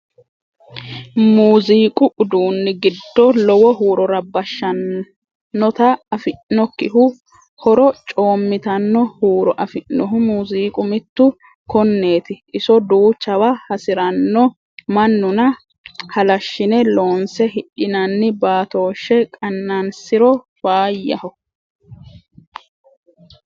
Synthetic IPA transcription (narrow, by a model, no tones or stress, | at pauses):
muːziːkʼʊʔʊd̪uːnːɪɡɪd̪ːɔlɔwɔɦuːɾɔɾɐbɐʃːɐnː | ɔt̪ɐɐfɪʔnɔkːɪɦʊ | hɔɾɔt͡ʃʼo̞ːmːɪt̪ɐnːɔhuːɾɔʔɐfɪʔːɔɦʊmuːziːkʼʊmɪt̪ːʊ | kɔnːe̞ːt̪ɪʔɪsɔd̪uːt͡ʃːɐwahɐsɪɾɐnːɔ | mɐnːʊnɐ | hɐlɐʃːɪnɛlo̞ːnsɛhɪᶑɪnɐnːɪbaːt̪o̞ːʃːɛkʼɐnːɐnsɪɾɔ | waːjːɐhɔ